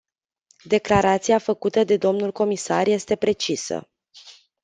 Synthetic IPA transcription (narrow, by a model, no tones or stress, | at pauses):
d̪e̞klaɾat̪siafəkut̪əd̪e̞d̪o̞mnulko̞misarje̞st̪e̞pɾe̞t͡ʃisə̰